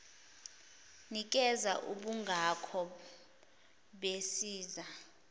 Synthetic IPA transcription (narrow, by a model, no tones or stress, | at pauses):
nik̬ʼɛzaʔuɓuŋɡʱakʰɔ | ɓesiːza